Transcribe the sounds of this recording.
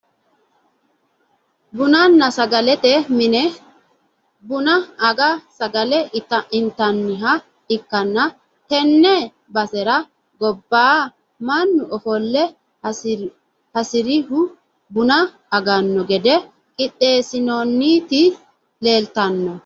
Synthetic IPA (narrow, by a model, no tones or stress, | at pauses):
bʊnɐnːɐsɐɡɐlɛt̪ɛmɪnɛ | bʊnɐːɡɐsɐɡɐlɛɪt̪ːɐʔɪnt̪ːɐnːɪɦɐ | ɪkːɐnːɐ | t̪ɛnːɛ | bɐsɛɾɐ | ɡɔbːaː | mɐnːʊʔɔfɔlːɛ | hɐsɪɾɪhʊ | bʊnɐ | ɐɡɐnːɔɡɛd̪ɛ | kʼɪɗːe̞ːsɪnonːit̪ɪ | le̞ːlt̪ɐnːɔ